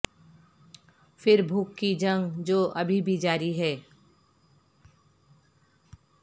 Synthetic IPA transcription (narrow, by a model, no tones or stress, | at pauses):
fɪɾbʱuːkːid͡ʒə̃ŋɡd͡ʒoːʔɐbʱibʱid͡ʒaːɾiɦɛː